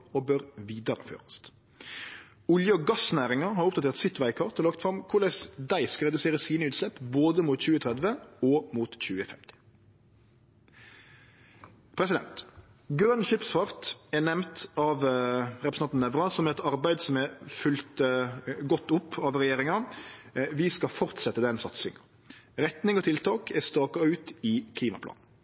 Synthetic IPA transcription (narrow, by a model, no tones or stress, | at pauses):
oːbøɾʋiːd̪ɑɾə̰fø̰ːʁɑst̪ | ʊljəoɡɑsnæːʁɪŋɑɦɑɾʊp̪̚ɑt̪ʰeːʁt̪sɪt̪ʋæɪkʰɑʁt̪ɔlɑkt̪fʁɑmkʰʊɖ̪æsd̪æɪskʁɛd̪ʉseːʁəsiːnəʉːt̪slɛpːboːd̪əmuːt̪c͡çʉːət̪ʰʁɛd̪ʋəoːmuːt̪c͡çʉːəfɛmt̪ɪ̥ | pʰɾɛsɪd̪ɛ̰nt̪ | ɡɾœnʃʏpsfɑʁt̪ɛnɛmt̪ɑʋɾɛpɾsnɑt̪nɛʋʁɑsɔmɛt̪ɑɾbæɪd̪sɔmɛfʉlt̪ɡɔt̪ːʊpʰːɑʋʁɛjeːɾɪŋɑ | ʋɪskɑfɔʁt̪sɛt̪ːəd̪ɛnsɑt̪sɪŋɑ | ɾɛt̪nɪŋɔt̪ʰɪlt̪ʰɑːkʰɛst̪ɑːkɑʉːt̪ɪkʰliːmɑ̰plɑ̰ːn̩